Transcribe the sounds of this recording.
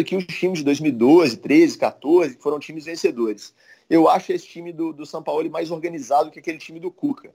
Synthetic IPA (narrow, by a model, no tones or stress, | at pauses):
ʊkɪʊst͡ʃĩmɪzd͡ʒɪd̪ojzmiwid̪ozɪt̪ɾezɪkat̪oɾzɪkɪ̥foɾɐ̃w̃t͡ʃĩmɪzvẽsed̪oɾɪs | ewaʃʊesɪ̥t͡ʃĩmɪd̪ʊd̪ʊsɐ̃pawlʊmajzoɾɡɐ̃nizad̪ʊkɪakelɪt͡ʃĩmɪd̪ʊkukʰɐ